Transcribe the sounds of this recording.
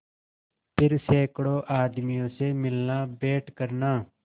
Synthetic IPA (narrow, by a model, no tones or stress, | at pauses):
pʰɪɾseːkɽoːʔaːd̪mijõːseːmɪlnaːbeːʈkəɾnaː